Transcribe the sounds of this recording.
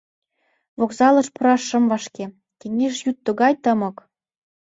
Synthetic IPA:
βokzɑlɤ̆ʃpɤ̆ɾɑʃə̆mvɑʃke | keŋeʃjut̪ːə̆ɣɑjt̪ɤ̆mɤ̆k

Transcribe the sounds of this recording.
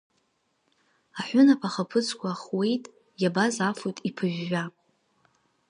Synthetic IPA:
aħʷʊnapʰaχapʰɨt͡sʰkʷʰaːχwe̞jtʼ | jabazafojtʼipʰɨʒᶣːa

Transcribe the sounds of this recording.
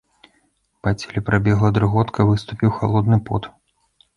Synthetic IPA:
pat͡sʲelʲɛpɾabʲɛɣlˠɐd̪ɾɨɣɔt̪kɐvɨst̪upʲiwxalˠɔd̪nɨpɔt̪

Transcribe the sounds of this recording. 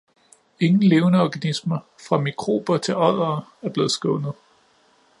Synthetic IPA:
e̝ŋn̩le̝ːʊnəɒɡ̥ænismɐ | fʁɑ̈mikʰʁo̝̰ːb̥ɐt͡sʰe̝lɒð̰ˠɐːæɐb̥le̝ːð̞̩ˠsɡ̥ɔʊnð̩ˠ

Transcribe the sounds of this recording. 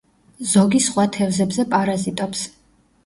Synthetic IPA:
zɔɡisχwat̪ʰɛvzɛbzɛpʼaɾazit̪ʼɔps

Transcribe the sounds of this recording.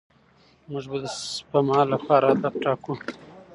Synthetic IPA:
mʊʐbad̪əspamɑːlapɑːɾaːd̪ab̚ʈɑːku

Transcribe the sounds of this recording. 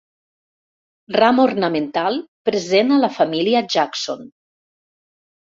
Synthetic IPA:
ramornəment̪alˠpɾezenəlafamiliaʒakso̰n

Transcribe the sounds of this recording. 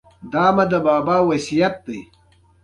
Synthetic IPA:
d̪aːmɐd̪əbaːbaːwɐsijɐt̪̚d̪ij

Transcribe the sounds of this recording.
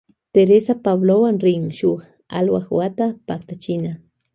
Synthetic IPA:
t̪eɾesapaβlowaŋɾɪŋʃʊχ | a̰lwaχwat̪apakt̪at͡ʃɪna

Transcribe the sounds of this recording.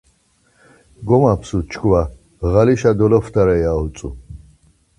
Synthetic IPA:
ɡɔmapʰsut͡ʃʰkʰva | ɣaliʃad̪ɔlɔfd̪aɾɛjaut͡s̪ʼṵ

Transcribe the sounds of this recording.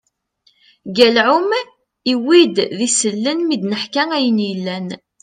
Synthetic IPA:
ɡælʕʊm | iwid̪ðisəlːənmid̪nəħkæŋæjənjəlːæn

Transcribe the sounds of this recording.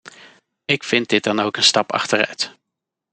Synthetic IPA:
ɪkfɪnt̚dɪt̚dɑnowkənstɑpɑ̰χtəɹœ̰ɥt

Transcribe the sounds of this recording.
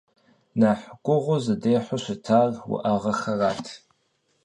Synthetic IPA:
naːħkʷʼʊʁʷʊzɨdeːħʷʊʃʷɪtʰaːrwʊ̰ʔaʁɐxɐraːtʰ

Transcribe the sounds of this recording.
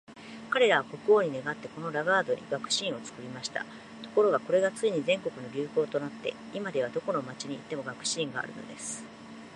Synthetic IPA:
kaɾe̞ɾaβ̞ako̞kɯ̟o̞ːɲ̟ine̞ɡat̪ːe̞ko̞no̞ɾaɡaːd̪o̞ɲ̟ḭɡakɯ̟̥ɕĩɰ̃o̞t͡sɨ̥kɯ̟ɾʲimaɕi̥t̪a̰ | t̪o̞̥ko̞ɾo̞ɡako̞ɾe̞ɡat͡sɨiɲ̟izẽ̞ŋko̞kɯ̟no̞ɾʲɨːko̞ːt̪o̞nat̪ːe̞̰ | imad̪e̞β̞ad̪o̞ko̞no̞mat͡ɕiɲ̟iːt̪ːe̞mo̞ɡakɯ̟̥ɕĩŋɡa̰a̰ɾɯ̟̰no̞̰d̪e̞sɨ̥

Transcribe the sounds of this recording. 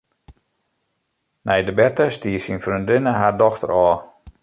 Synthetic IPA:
nɛjdəbɛrtəstiːsinfryndɪnəɦardɔxtə̰ɾɔː

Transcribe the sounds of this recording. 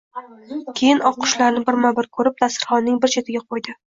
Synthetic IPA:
kʲʰe̞jɪnʔɒqʰʊ̥ʃlaɾnɪbɪɾmabɪɾkʰɵɾɪp̚t̪asɪɾχɒnːɪŋbɪɾt͡ʃʰet̪ʰɪɡʲaqʰojd̪ɪ

